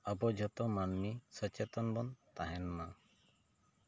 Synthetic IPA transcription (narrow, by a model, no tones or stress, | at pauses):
abɔd͡ʒʱɔt̪ɔmanmisɔt͡ʃet̪ɔnbɔnt̪aɦɛnɔma